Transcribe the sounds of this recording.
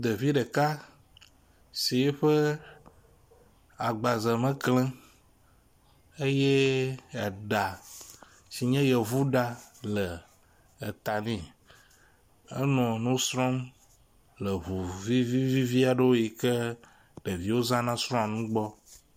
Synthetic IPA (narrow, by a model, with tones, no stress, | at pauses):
d̪e˨vi˦ɖə˨ka˦ | si˨jɛ˦ɸə˦ | a˨ɡ͡ba˨zə˨mɛ̃˦klɛ̃˦ | e˦je˦a˨ɖa˨ | si˨ɲɛ̃˦jɛ˨vu˦ɖa˦lə˨ | t̪a˨nĩ˨ | ə̰˦nɔ̃˨nũ˦sɾɔ̃˦m | lə˨βu˨vi˦vi˦vi˦vi˦a˨ɖe˦wo˦ji˨ke˦ | ɖe˨vi˦wo˦zã˦nã˦sɾɔ̃˦a˨nũ˦ɡ͡bɔ˦